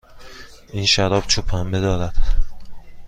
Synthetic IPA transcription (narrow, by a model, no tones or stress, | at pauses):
ʔiːnʃæɾɒːb̥t͡ʃʰupʰæmbed̪ɒːɾæd̪̥